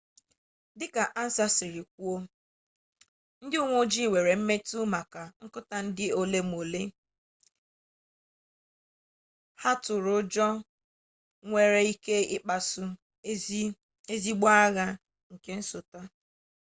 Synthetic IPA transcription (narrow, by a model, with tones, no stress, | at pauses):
dɪ˦ka˨ʔa˦n̩˦sa˦sɪ˨ɾi˨k̚ʷu˦o˦ | n̩˦dɪ˦u˦ŋʷ˦o˦d͡ʒi˦˨wʷe˨ɾe˨m̩˦me˦tu˦ma˨ka˨ŋ̩˦kʊ˦ta˨n̩˦dɪ˦o˨le˦m˨o˨le˦ | ha˦tʊ˨ɾʊ˦d͡ʒɔ˦ | ŋʷe˨ɾe˦i˦ke˦ɪ˦k͡pa˨sʊ˦ | e˦zi˦ɡ͡ba˦a˦ɣa˦ | ŋ̩˨ke˦n̩˦sʊ˨ta˦